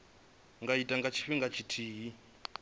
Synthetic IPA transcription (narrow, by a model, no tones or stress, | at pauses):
ŋɡaitʼaŋɡat͡ʃʰi̥ɸiŋɡat͡ʃʰitʰiːɦi